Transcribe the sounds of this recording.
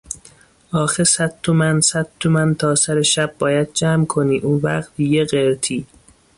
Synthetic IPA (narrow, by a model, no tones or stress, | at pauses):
ɒːxesæd̪t̪ʰomænsæd̪̥̚t̪ʰomænt̪ʰɒːsæɾeʃæb̚ːɒːjæd̪̚d͡ʒæːmkʰoniːʔuːnvæ̰qt̪̚ijeɢeɾt̪ʰiː